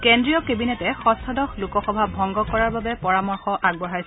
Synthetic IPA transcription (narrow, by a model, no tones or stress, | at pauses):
kendɹijɔkebinɛtɛxɔstʰɔdɔxlukɔxɔbʱabʱɔŋɡɔkɔɹaɹbabɛpɔɹamɔɹxɔʔaɡ̚bɔɹajs